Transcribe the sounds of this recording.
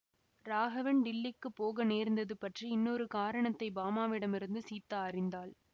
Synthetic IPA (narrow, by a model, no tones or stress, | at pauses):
ɾaːɣɐʋɐnɖɪlːɪkːɯpːoːɣɐneːɾnd̪ɐðɯpɐʈriɪnːɔɾɯkaːɾɐɳɐt̪ːɐɪbaːmaːʋɪɽɐmɪɾɯnd̪ɯsiːt̪ːaɐrɪnd̪aːl